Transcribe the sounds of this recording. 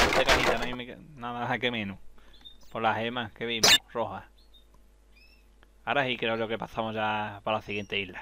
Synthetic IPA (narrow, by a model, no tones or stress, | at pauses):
d̪ekanit̪anaĩmenaðamakemẽnupolaɦemakeβimoroɦa | aɾasikɾekɾeokepaθamoʝapalaθiɣent̪eila